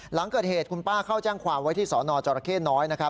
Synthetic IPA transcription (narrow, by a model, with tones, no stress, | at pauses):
la˩˦ŋkɤː˨˩t̪̚heː˨˩t̪̚kʰu˧npaː˥˩kʰa˥˩wt͡ɕɛː˥˩ŋkʰwaː˧mwa˦˥jt̪ʰiː˥˩sɔː˩˦nɔː˧t͡ɕɔː˧ɾa˧kʰeː˥˩nɔː˦˥jna˦˥kʰa˦˥